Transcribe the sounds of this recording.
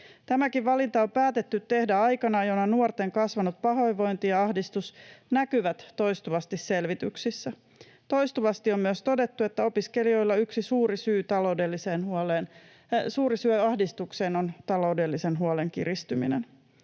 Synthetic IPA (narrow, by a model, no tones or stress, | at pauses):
t̪æmækiʋʋɑlint̪ɑompæːt̪e̞t̪ːyt̪t̪ːe̞hdæɑjkɑnɑjonɑnuort̪e̞ŋkɑsʋɑnut̪̚pɑɦo̞jʋo̞jnt̪iɑɑhdist̪usnækyʋæt̪ːo̞jst̪uʋɑst̪isse̞lʋit̪yksisːæ | t̪o̞jst̪uʋɑst̪iommyøst̪o̞de̞t̪ːuet̪ːæo̞piske̞lio̞jlːɑyksisuːɾisyːt̪ɑlo̞wde̞lːise̞ːnhuoleːn | suːɾisyøɑhdist̪ukse̞ːno̞nt̪ɑlo̞wde̞lːisenɦuoleŋkḭrist̪ymḭnḛn